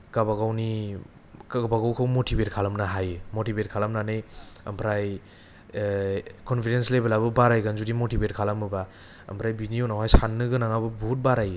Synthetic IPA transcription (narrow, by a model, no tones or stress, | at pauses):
kabaɡawni | kabaɡawkʰawmotʰibet̚kʰalamnaɦajɯmotibet̚kʰalamnanɯjɐmpʰɾaj | kɔnpʰidenslebelabɯbaɾajɡanzudimotibetkʰalamɯba | ɐ̰mpʰɾajbinijonawhajsanːɯɡɯnaŋabɯbuut̚baɾaje